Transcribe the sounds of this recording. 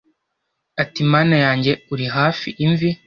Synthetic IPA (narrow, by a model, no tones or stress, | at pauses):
atimaːnajaːɲɟe̞uɾiɦaːfiʔiɱvi